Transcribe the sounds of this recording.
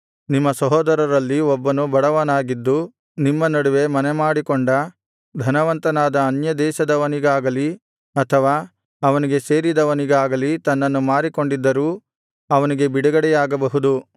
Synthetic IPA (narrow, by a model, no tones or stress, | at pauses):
nimːɐsɐɦɔːd̪ɐɾɐɾɐlːiɔbːɐnubɐɽɐʋɐnaːɡid̪ːu | nimːɐnɐɽuʋe̞mɐnemaːɽikoɳɖɐ | d̪ʱɐnɐʋɐnt̪ɐnaːd̪ɐːnjɐd̪ɛːʃɐd̪ɐʋɐniɡaːɡɐli | ɐt̪ʰɐʋaː | ɐʋɐniɡe̞se̞ːɾid̪ɐʋɐniɡaːɡɐlit̪ɐnːɐnːumaːɾiko̞ɳɖid̪ːɐɾuː | ɐʋɐniɡe̞biɽɐɡɐɽɛjaːɡɐbɐɦud̪u